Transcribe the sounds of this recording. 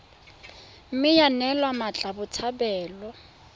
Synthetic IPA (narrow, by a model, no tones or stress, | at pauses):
m̩mɪjanɛlwamat͡ɬʼabʊt͡sʰabɛːlɔ